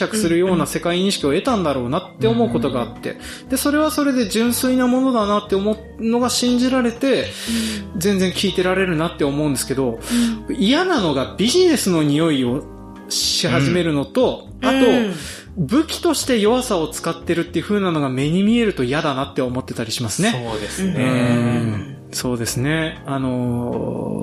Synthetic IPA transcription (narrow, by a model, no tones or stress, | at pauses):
akɯ̟̥sɨɾɯ̟jo̞ːnase̞kaiɲĩɕi̥kʲio̞e̞t̪ãnd̪aɾo̞ːnat̪ːe̞o̞mo̞ɯ̟ko̞t̪o̞ɡaːt̪ːe̞̰ | d̪̥e̞so̞ɾe̞βaso̞ɾe̞d̪e̞d͡ʑɨ̃ɰ̃sɨinamo̞no̞d̪anat̪ːe̞omo̞ | no̞ɡaɕĩɲ̟d͡ʑiɾaɾe̞t̪e̞ | zẽ̞nd͡zẽ̞ŋkʲiːt̪e̞ɾaɾe̞ɾɯ̟nat̪ːe̞omoɯ̟̃nd̪e̞sɨ̥ke̞d̪o̞ | ijanano̞ɡabʲiʑine̞sɨno̞ɲ̟ijo̞io̞ | ɕihaʑime̞ɾɯ̟no̞t̪o̞ | at̪o̞ | bɯ̟kʲi̥t̪o̞ɕi̥t̪e̞jo̞βasao̞t͡sɨ̥kat̪ːe̞ɾɯ̟t̪ːeɯ̟ɸɯ̟ːnano̞ɡame̞ɲ̟imʲie̞ɾɯ̟t̪o̞ijad̪anat̪ːe̞omo̞t̪ːe̞t̪aɾʲiɕimasɨne̞d̪eɯ̃ | so̞ːd̪e̞sɨne̞ano̞